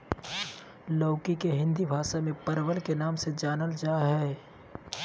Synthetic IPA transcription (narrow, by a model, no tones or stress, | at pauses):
ləʊkikeɦɪ̃nd̪ibʱaːʃamẽpɐɾwənkenaːmsed͡ʒaːnəld͡ʒaːɦɛː